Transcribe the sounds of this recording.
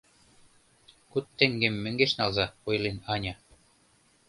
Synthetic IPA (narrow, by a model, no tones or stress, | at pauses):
kut̪ːĕŋɡemːɘ̆ŋɡeʃnɑlzɑojlenɑnʲɑ